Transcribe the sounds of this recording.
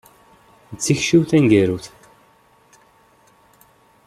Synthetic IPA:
t͡sːiçʃiwθæŋɡæɾuθ

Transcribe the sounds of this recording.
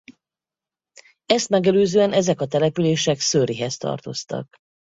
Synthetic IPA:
ɛst̪mɛɡɛløːzøːɛnɛzɛkɒt̪ɛlɛpyleːʃɛksøɾiɦɛst̪ɒ̰rt̪o̞̰st̪ɒ̰k

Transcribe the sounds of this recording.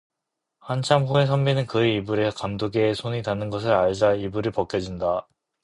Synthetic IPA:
hant͡ɕʰamɸoe̞s̬ʰʌmbinɯnkɯeibuɾekamdoɡeːsʰoɲitanːɯnɡʌs̬ʰɯɾaɭd͡ʑaibuɾɯɭpʌk͈jʌd͡ʑinda

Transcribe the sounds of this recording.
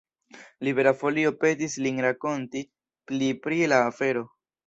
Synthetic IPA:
libe̞ɾafo̞lio̞pe̞tislinɾako̞nti | plipɾilaːfe̞ɾo̞

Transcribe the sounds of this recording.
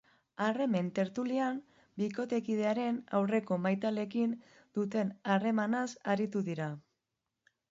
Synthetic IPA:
are̞me̞nt̪e̞ɾt̪uliam | biko̞t̪e̞kið̞e̞aɾe̞na̰wre̞ko̞majt̪ale̞kin | d̪̥ut̪e̞nare̞manasaɾit̪uðiɾa

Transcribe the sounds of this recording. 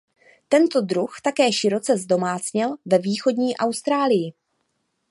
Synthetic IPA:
t̪ɛnt̪o̞dɾuxt̪akɛːʃɪɾo̞t͡sɛzdo̞maːt͡sɲɪlvɛviːxo̞dɲiːʔawst̪ɾaːlɪjɪ

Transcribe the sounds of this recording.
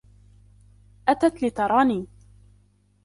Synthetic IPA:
ʔat̪at̪lɪt̪ɑɾˤɑːniː

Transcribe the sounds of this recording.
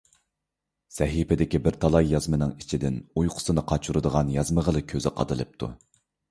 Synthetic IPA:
sɛɦipɪd̪ɪkʲibɪɾt̪ʰɑlˠɑjːɑzmɨnɨŋit͡ʃʰid̪ɪnujqʰʊ̥sɨnɨqʰɑt͡ʃʰuɾɨd̪əʁɑnjɑzməʁəlˠɨkʲʰːøzɪqʰɑ̰d̪ɨlˠɨ̰p̚t̪ʰṵ

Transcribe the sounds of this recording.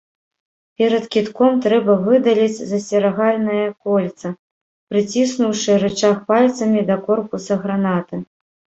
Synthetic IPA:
pʲɛɾɐt̪kʲit̪kɔmt̪ɾɛbɐvɨd̪ɐlʲit͡sʲzɐsʲɛɾaɣalʲnɐjɐkɔlʲt̪sɐ | pɾɨt͡sʲisnuwʂɨɾɛt͡ʂaxpalʲt̪sɐmʲid̪ɐkɔrpusɐɣɾanat̪ɨ

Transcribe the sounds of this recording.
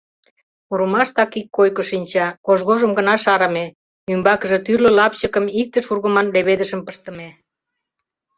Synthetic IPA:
uɾəmɑʃt̪ɑkikːojkoʃinʲt͡ɕɑkoʒɣoʒəmɡənɑʃɑɾə̆me | nymbɑkə̆ʒĕt̪yrlə̆lɑpt͡ɕəkəmik̚t̪əʃurɣəmɑnleβed̪əʃəmpəʃt̪ə̆me

